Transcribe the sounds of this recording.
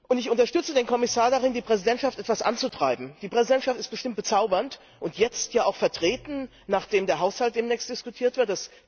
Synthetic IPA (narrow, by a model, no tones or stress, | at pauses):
ʔʊntɪçʊntɐʃtʏt͡sədeːnkʰɔmɪsaːɐdaʁɪndiːpʁ̥ɛzidɛntʃaftʔɛtv̥asʔa̰nt͡sutʁ̥aɪbm̩d̥iːpʁ̥ɛzidɛntʃaftɪst̚b̥əʃtɪmt̚b̥ət͡saʊbɐnt | ʔʊntjɛt͡stjaːaʊxfɛɐtʁ̥eːtn̩ | naːχd̥eːmdeːɐɦaʊshalt̚d̥eːmnɛːçstd̥ɪskutʰiːɐtv̥ɪɐt̚d̥as